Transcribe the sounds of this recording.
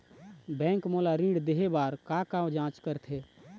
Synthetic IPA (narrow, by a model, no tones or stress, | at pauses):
bɛ̃ːŋkmoːlaɾĩːɽd̪eːɦebaːɾkakad͡ʒãːt͡ʃkəɾt̪ʰeː